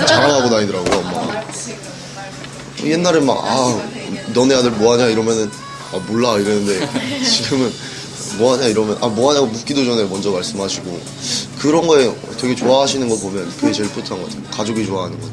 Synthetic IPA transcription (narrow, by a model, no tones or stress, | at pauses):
t͡ɕaɭɦaɡonaɲidɯɾaɡoamːa | ʌ̰je̞nːaɾema̰ɡa̰ | nʌneɦadɯɭmoɦaɲaiɾʌmjʌnɯn | amoɭːaiɾenɯnde̞t͡ɕiɡɯmɯn | moɦaɲaiɾʌmjʌnʔamoɦaɲamuk͈idod͡ʑʰʌnemʌnd͡ʑʌmaɭs͈ɯmɦaɕʰiɡo | kɯɾʌnɡʌe̞ʌ̰twe̞ɡe̞t͡ɕoaɦaɕʰinɯnɡʌpomjʌnkɯɡet͡ɕe̞ɭp͈ʰɯtʰanŋɡʌatʰɯmjokad͡ʑoɡit͡ɕoaɦanɯnɡʌ